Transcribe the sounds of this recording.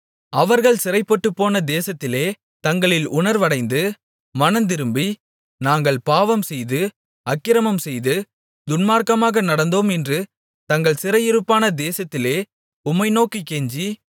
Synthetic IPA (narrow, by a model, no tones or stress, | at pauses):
ɐʋɐɾɣɐɭsɪɾɐɪpːɔʈːɯpːoːnɐd̪eːsɐt̪ːɪleː | t̪ɐŋɡɐɭɪlʊɳɐɾʋɐɽɐɪnd̪ɯ | mɐnɐnd̪ɪɾɯmbi | naːŋɡɐɭpaːʋɐmsɛjðɯ | ɐkːɪɾɐmɐmsɛjðɯ | d̪ʊnmaːɾkɐmaːɣɐnɐɽɐnd̪oːmɛndrɯ | t̪ɐŋɡɐɭsɪɾɐjɪɾɯpːaːnɐd̪eːsɐt̪ːɪleː | ʊmɐɪnoːkikːeɲd͡ʒi